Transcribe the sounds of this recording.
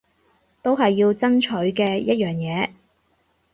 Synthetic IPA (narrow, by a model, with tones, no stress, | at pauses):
t̪o˥wɦɐ˨jːiː˧wt͡sɐ˥nt͡ʃʰɵ˨˥ɥkɛː˧jɐ˥t̚jœː˨˩ŋjɛː˨˧